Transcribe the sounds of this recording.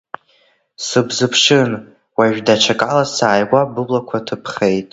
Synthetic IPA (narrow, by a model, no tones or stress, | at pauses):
sɨbzɨpʰʂɨn | waʒᶣdaʈ͡ʂʰakʼalasaːjɡʷabɨblakʷʰatʰɨpʰχejtʼ